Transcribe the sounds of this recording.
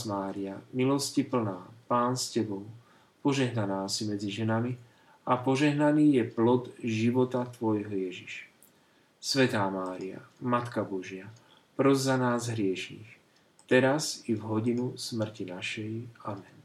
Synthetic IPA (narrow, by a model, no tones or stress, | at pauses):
maːɾiamilɔscipl̩naːpaːnscɛbɔʊ | pɔʒɛɦnanaːsimɛd͡ziʒɛnami | apɔʒɛɦnaniːjɛplɔd̪ʒiʋɔt̪at̪ʋɔjɦɔjɛʒiʃ | sʋɛt̪aːmaːɾia̰mat̪kabɔʒɪa | pɾɔzzanaːzɦɾɪɛʃiːx | t̪ɛɾaszivɦɔɟinusmr̩cinaʃɛjamɛn